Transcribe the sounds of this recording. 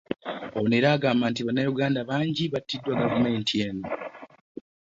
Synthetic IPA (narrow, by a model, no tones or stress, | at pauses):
oneɾaːɡaːmbaːntiβanːajuɡaːndaβaːɲɟiβatːidːwaɡavume̞ːntieːno